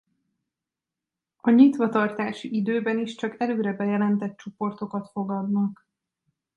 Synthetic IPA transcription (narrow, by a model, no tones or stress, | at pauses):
ɒɲit̪ʋɒt̪ɒrt̪aːʃiʔid̪øːbɛniʃt͡ʃɒkɛløːɾɛbɛjɛlɛnt̪ɛt̪̚t͡ʃo̞po̞rt̪o̞kɒt̪fo̞ɡɒd̪nɒk